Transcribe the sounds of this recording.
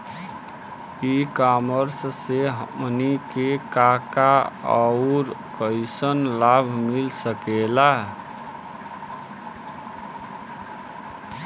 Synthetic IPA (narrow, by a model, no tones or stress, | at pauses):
ikaməɾsseɦəmnikekakaəʊɾkəjsənlabʱmilsəkela